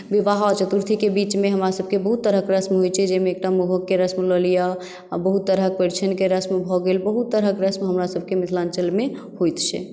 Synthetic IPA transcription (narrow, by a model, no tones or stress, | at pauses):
biʋaɦat͡ʃət̪uɾt̪ʰikebit͡ʃmeɦəmɾasəb̚ʱkebəɦut̪ːəɾɦəkɾəsmɦojt͡ʃʰɛd͡ʒemeːk̚ʈamuɦəkːeɾəsmləlija | bəɦut̪ːəɾɦək̚peɾt͡ʃʰənkeɾəsmbʱɔɡelbəɦut̪ːəɾɦəkɾəsmɦəmɾasəb̚ʱkemislant͡ʃəlme | hojt̪t͡ʃʰɛ̰